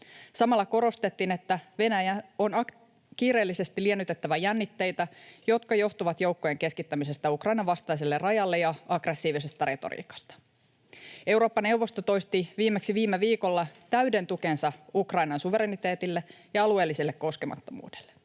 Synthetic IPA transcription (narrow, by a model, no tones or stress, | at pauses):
sɑmɑlːɑko̞ɾo̞st̪e̞t̪ːiːnet̪ːæʋe̞næjæo̞nɑk | kiːɾe̞ːlːise̞st̪ilienːyt̪e̞t̪ːæʋæjænːit̪ːe̞jt̪æjo̞t̪kɑjo̞ht̪uʋɑt̪jo̞wkːo̞je̞ŋke̞skit̪ːæmise̞st̪æukrɑjnɑʋɑst̪ɑjs̬elːerɑjɑlːejɑɑɡ̥re̞sːiːʋisest̪ɑɾe̞t̪o̞̰ɾḭːkɑ̥st̪ɑ̥ | e̞wɾo̞ːpːɑne̞wʋːo̞st̪ot̪o̞jst̪iʋiːmeksiʋiːmeʋiːko̞lːɑt̪æyde̞nt̪uke̞nsɑukrɑjnɑnsuʋe̞ɾenit̪e̞ːt̪ilːejɑɑlue̞ːlːisilːekko̞ske̞mɑ̰t̪ːo̞mṵːd̥elːe